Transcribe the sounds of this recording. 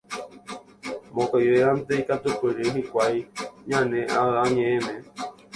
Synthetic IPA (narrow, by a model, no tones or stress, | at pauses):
mõkajʋeand̪eikat̪upɨɾeɦikʷajɲãnẽʔaaɲẽẽmẽ